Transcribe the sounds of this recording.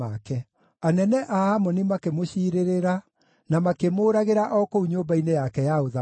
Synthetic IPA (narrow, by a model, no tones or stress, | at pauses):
akɛ | anɛnɛʔahamɔnimakemoɕiɾeɾeɾa | namakemoːɾaɣeɾaʔɔkouɲoːmbainejakɛjaoða